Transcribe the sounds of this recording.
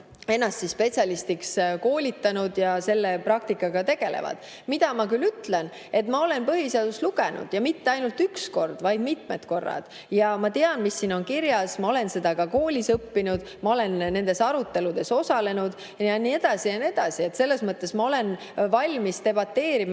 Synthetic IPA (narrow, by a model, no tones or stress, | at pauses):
e̞nːɑst̪sispe̞t̪sʲjɑlist̪iksko̞ːlʲit̪ːˑɑnud̪̥jɑse̞lːeprɑk̚t̪ikːˑɑɡɑt̪e̞ɡ̥e̞̰lḛvɑ̰d̪̥ | mid̪̥ɑmɑkylyt̪ːˑle̞n | e̞t̪ːmɑo̞le̞npɤɦiseɑd̪̥usluɡ̥e̞nṵd̪̥jɑmit̪ːeɑjnult̪yksko̞rd̪̥vɑjd̪mit̪ˑme̞t̪ko̞rːɑ̰d̪̥ | jɑmɑt̪eɑnmisːiːno̞nkiɾjɑsmɑo̞le̞nse̞d̪ɑkɑko̞ːlʲisɤpːinud̪̥mɑo̞le̞nnːe̞nd̪e̞sɑɾut̪ːˑe̞lud̪̥e̞so̞sɑle̞nud̪̥ | jɑnie̞d̪̥ɑsijɑnie̞d̪̥ɑsie̞t̪se̞lːe̞smɤt̪ˑːe̞smɑo̞le̞n | vɑlʲmist̪e̞b̥ɑt̪ːe̞ːɾim